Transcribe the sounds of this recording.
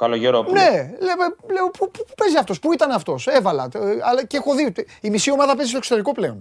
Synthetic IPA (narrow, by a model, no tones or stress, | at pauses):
kɐloʝeɾone̞lepele̞opupuupe̞ziɐft̪o̞spuit̪ɐnɐft̪o̞sevɐlɐ̰ɐlɐceexo̞ðiut̪e | imisio̞mɐðɐpe̞zist̪oksot̪eɾiko̞ple̞o̞n